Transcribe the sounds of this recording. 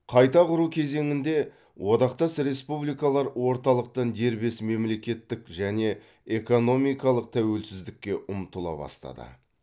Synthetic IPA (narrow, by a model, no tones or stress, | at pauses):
qʰɑjt̪ɑqʰʊɾukʲʰe̞ze̞ŋɪnd̪e̞ | wʔod̪ɑqt̪ɑsɾe̞spublijkɑlˠɑɾwo̞ɾt̪ɑlˠəq̚t̪ɑnd̪e̞ɾbe̞sme̞mle̞kʲe̞t̪ːɪkʒæne̞ | eko̞no̞mijkɑlˠəq̚t̪ʰæwe̞lsɪzd̪ɪkʲːe̞ʔʊmt̪əlˠɑ̰bɑ̰st̪ɑ̰d̪ə̰